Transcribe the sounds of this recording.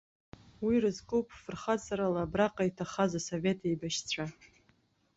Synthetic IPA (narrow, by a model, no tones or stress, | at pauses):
wirɨzkʼupʰʼfɨrχat͡sʰʼaɾalabraqʼaitʰaχazasove̞tʰejbaʃt͡sʷʰa